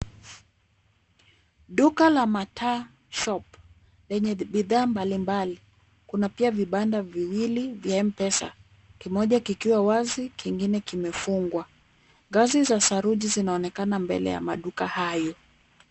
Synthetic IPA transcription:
ɗukalamatʰa | ʃɔp | lɛɲɛɓiðaːmbalimbali | kunapiaviɓandaviwilivjaɛm̩pɛsa̰ | kimɔʄakikiwawazikiŋɡinɛkimɛfuŋɡwa | ŋɡazizasaɾuʄizinaɔnɛkanambɛ̰lɛ̰ja̰maɗukahajɔ

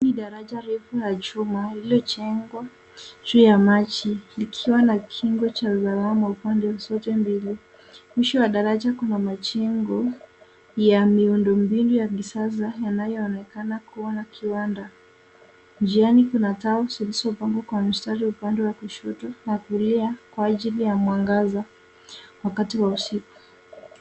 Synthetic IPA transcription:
niɗaɾad͡ʒaɾɛfulad͡ʒumaliɔt͡ʃɛŋɡwa | d͡ʒuːjamat͡ʃilikʰiwanakʰiŋɡɔt͡ʃauzaɾamwaupandɛwasɔtɛmbili | mwiʃɔwaɗaɾad͡ʒakunamat͡ʃɛŋɡɔ | jamiundɔmbinujaɡisazajanajɔːnɛkanakuanakʰiwanda | nd͡ʒianikunataɔsilisɔpaŋɡɔkwam̩staɾiupandɛwakuʃɔtɔnakuliakwaːʄilijamwaŋɡaza | wakatiwausiku̥

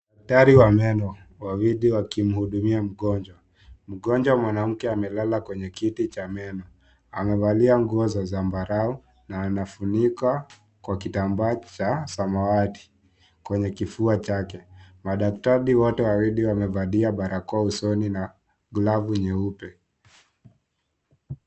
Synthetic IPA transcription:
ɗak̚taɾiwamɛnɔ | wawiɗiwakim̩huɗumiam̩ɠɔnd͡ʒwa | m̩ɠɔnd͡ʒwamwanam̩kɛamɛlalakwɛɲɛkitit͡ʃamɛnɔ | amɛvaliaŋɡuɔzazambaɾau | naːnafunika | kwakitambat͡ʃasamawati̥ | kwɛɲɛkifuat͡ʃakɛmaɗak̚taɾiwɔtɛwawiɗiwamɛvaliaɓaɾʔakɔausɔnina | ɡlavuɲɛupɛ

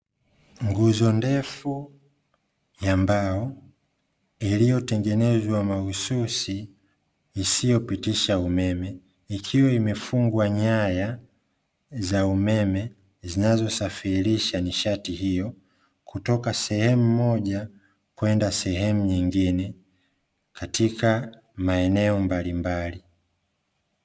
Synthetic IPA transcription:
ŋɡuzɔndɛfu | jambaɔ | ilijɔtɛŋɡɛnɛzwamaususi | isijɔpitiʃaumɛmɛ | ikʰiwaimɛfuŋɡwaɲaja | zaumɛmɛ | zinazɔsafiɾiʃaniʃatihijɔ | kutɔkasɛhɛmumɔʄa | kwɛndasɛɦɛmuɲiŋɡinɛ | katʰika | maɛnɛɔmbalimbali

